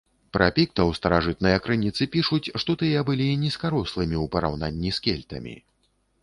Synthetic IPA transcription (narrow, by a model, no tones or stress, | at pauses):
pɾɐpʲik̚t̪ɐwst̪ɐɾaʐɨt̪̚nɐjɐkɾɨnʲit̪sɨpʲiʂut͡sʲʂt̪ɔt̪ɨjɛbɨlʲinʲiskaɾɔslˠɨmʲiwpɐɾa̰wnanʲːiskʲɛlʲt̪ɐ̰mʲḭ